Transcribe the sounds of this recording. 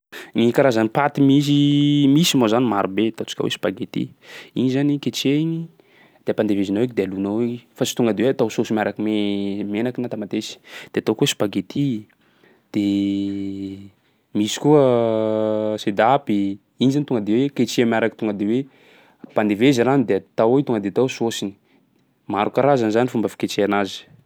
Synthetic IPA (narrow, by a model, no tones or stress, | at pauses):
ŋikaɾazanipat̪imizimisimozanimaɾubet̪at͡ʃi̥kʲa̰wḛsi̥b̥aɡet̪ḭ | ḭɲizaniket͡ʃeiɲi | d̪̥eapand̪evezinowekd̪ealunowefasi̥t̪uŋɡəd̪eweat̪awsosimaɾakimemenakinat̪amat̪esi̥d̪̥eat̪okuwesi̥baɡet̪ʰi | d̪̥e | misi̥kuə | sed̪api | inizanit̪uŋɡəd̪eweket͡ʃemaɾakit̪uŋɡəd̪ewe | pand̪eveziɾanid̪eat̪awet̪uŋɡəd̪et̪awsosini̥ | maɾukaɾazanizanifumbafi̥ket͡ʃeanazi̥